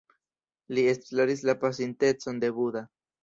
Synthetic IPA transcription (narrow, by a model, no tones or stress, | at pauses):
liest̪laɾislapas̬int̪et͡sond̪eβuða